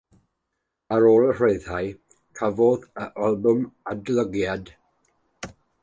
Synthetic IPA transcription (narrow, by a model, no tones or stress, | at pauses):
əɾoːlˠər̥ejðaj | kʰavɔðəʔalˠbʊmadlˠəɡjad